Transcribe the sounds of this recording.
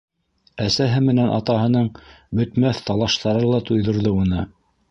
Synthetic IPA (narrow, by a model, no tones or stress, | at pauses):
æsæɦɘmɘ̆nænʔɑ̰t̪ɑɦɤ̆nɤɴbɵ̆t̪mæθt̪ɑlˠɑʃt̪ɑɾɤlˠɑt̪ujðŏɾðɤunɤ